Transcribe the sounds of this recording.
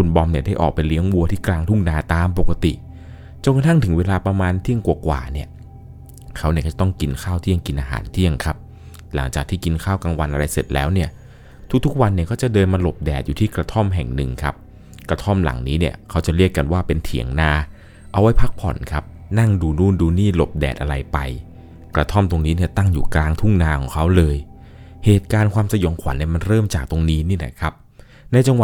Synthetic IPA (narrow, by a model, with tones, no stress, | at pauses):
kʰu˧nbɔ˧mni˥˩ɐda˥˩jʔɔ̰ː˨˩k̚pa˧jli˦˥əŋwu˧ət̪ʰiː˥˩klaː˧ŋt̪ʰu˥˩ŋnaː˧t̪aː˧mpo˨˩kːa˧t̪ḭ˨˩ʔ | t͡ɕo˧nka˧t̪ʰa˥˩ŋt̪ʰɯ˩˦ŋweː˧laː˧pɾa˧maː˧nt̪ʰi˥˩əŋkwu˨˩kwa̰ː˨˩ni˥˩ɐ | kʰa˦˥wni˥˩kʰɔ˧˩t͡ɕa˩t̪ɔ˥˩ŋki˧nkʰaː˥˩wt̪ʰi˥˩əŋki˧nʔaː˧ɦa̰ː˩˦nt̪ʰi˥˩əŋkʰa˦˥p̚ | la˩˦ŋt͡ɕaː˨˩k̚t̪iː˥˩ki˧nkʰaː˥˩wkaː˧ŋwa˧nʔa˧ɾa˧jse˨˩t̪̚lɛ̰ː˦˥wni˥˩ə | t̪ʰu˦˥k̚t̪ʰu˦˥k̚wa˧nːi˥˩kɔː˥˩t͡ɕa˨˩dɤː˧nmaː˧lo˨˩p̚dɛ̰ː˨˩t̪̚juː˨˩iː˥˩kɾa˧t̪ʰɔ˥˩mɦɛ˨˩ŋnɯ̰˨˩ŋkʰa˦˥p̚ | kɾa˧t̪ʰɔ˥˩mla̰˩˦ŋniː˦˥ni˥˩ɐkʰa˦˥wt͡ɕa˨˩ɾi˥˩əkːa˧nwaː˥˩pe˧nt̪ʰḭ˨˩˦əŋnaː˧ | ʔa˧wa˦˥jpʰa˦˥k̚pʰɔ̰˨˩˦nkʰa˦˥p̚ | na˥˩ŋduː˧nuː˥˩nduː˧niː˥˩lo˨˩p̚dɛ̰ː˨˩t̪̚ʔa̰˧ɾa˧jpa˧j | kɾa˧t̪ʰɔ˥˩mt̪o˧ŋniː˦˥ni˥˩ɐt̪a˥˩ŋjuː˨˩klaː˧ŋt̪ʰu˥˩ŋnaː˧kʰɔ̰ː˩˦ŋkʰa˦˥wlɤː˧jheː˨˩t̪̚kaː˧nkʰwaː˧msa˧jɔ˩˦ŋkʰwa˨˦nːi˥˩ma˧nɾɤː˥˩mt͡ɕaː˨˩k̚t̪o˧ŋniː˦˥ni˥˩˨lɛ̰˦˥˩kʰa˦˥p̚ | na˧jt͡ɕa˧ŋwa˨˩